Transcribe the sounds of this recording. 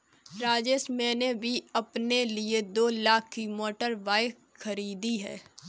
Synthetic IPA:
ɾaːd͡ʒesmɛ̃ːnebʱiɐpnelied̪oːlaːkʰːimɔːʈəɾʋaːɪ | xɐɾiːd̪iɦɛ̰ː

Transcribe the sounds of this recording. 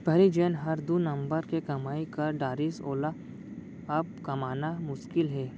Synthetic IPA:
b̥ʱɐɾid͡ʒɛːnɦɐɾd̪unɐ̃mbəɾkekɐmaːikɐɾɖaːɾiso̰ːla | ɐb̚kɐmaːnamʊʃkɪlɦɛː

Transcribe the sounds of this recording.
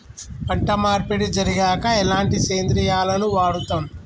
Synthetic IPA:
pɐʈːɐmaːɾpeɽid͡ʒɐɾiɡaːkɐɛlaːɳʈit͡ʃeːnd̪ɾijaːlɐnuʋaːɽut̪aːn

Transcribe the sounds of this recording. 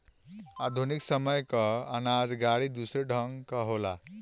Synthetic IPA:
ad̪ʱuniksʌmʌjkʌʌnad͡zɡaɽid̪usɾeɖʱʌŋkʌɦola̰

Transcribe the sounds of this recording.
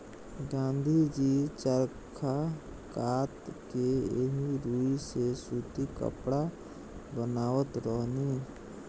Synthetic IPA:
ɡãːnd̪ʱid͡ʒit͡ʃəɾkʰa | kaːt̪keeɦiɾuːisesuːt̪ikə̰pɽa | bənaːʋət̪ɾəɦni

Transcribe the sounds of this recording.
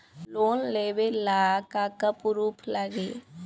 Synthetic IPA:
loːnleːʋelaːkakəpɾuːpʰləɡeː

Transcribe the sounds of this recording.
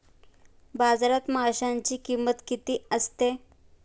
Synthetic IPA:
bad͡zɾat̪məɦaɕaɲt͡ɕiːkimət̪kit̪iːəst̪e

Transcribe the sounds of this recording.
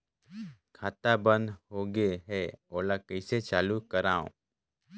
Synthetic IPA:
kʰaːt̪abə̃nd̪ɦoːɡeɦɛoːlakəɪset͡ʃaːlukəɾaːõ̰ː

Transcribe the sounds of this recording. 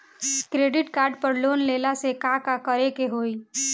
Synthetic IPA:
kɾeːɖɪʈkaːɾɖpəɾloːnlelasekakakəɾekeɦoːi

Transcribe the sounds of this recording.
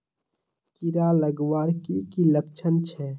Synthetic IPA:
kiɾaləɡwaːɾkikiləkt͡ʃʰənt͡ʃʰɛː

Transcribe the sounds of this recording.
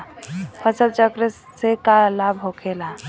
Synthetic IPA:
pʰət͡ʃəlt͡ʃəkɾesekalabɦokʰela

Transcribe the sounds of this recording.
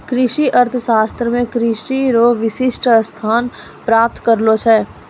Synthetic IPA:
kɾɪʃiʔəɾt̪ʰəʃaːst̪ɾəmẽkɾɪʃiɾoʋɪʃɪʃʈst̪ʰaːn | pɾaːp̚t̪kɐɾlot͡ʃʰɛː

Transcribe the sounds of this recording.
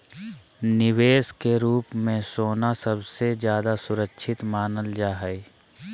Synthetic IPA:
nɪʋeːskeɾuːpmẽsoːnasəbsed͡ʒjaːd̪asʊɾəkːʃʰɪt̪maːnəld͡ʒaːɦəe

